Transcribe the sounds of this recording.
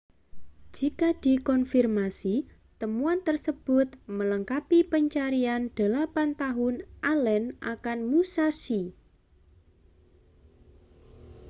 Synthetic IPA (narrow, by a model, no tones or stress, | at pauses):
d͡ʒ̥ikad̪̥i̤kɔnfirmasi | t̪əmuant̪ərsəb̥ʊt̪̚mələŋkapipəɲt͡ʃaɾiand̪̥ə̤lapant̪aɦʊnʔalɛnʔa̰kanmusasi